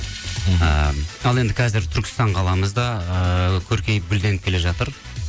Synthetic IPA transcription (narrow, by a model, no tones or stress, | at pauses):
ə̰ɑlˠe̞nd̪ɪkʲʰæzɪɾt̪ʰʏɾkʲɪ̥st̪ɑɴqʰɑlˠɑməzd̪ɑəkʲʰɵɾkʲe̞jp̚ɡʲʏld̪e̞nɪp̚kʲʰe̞le̞ʒɑt̪əɾ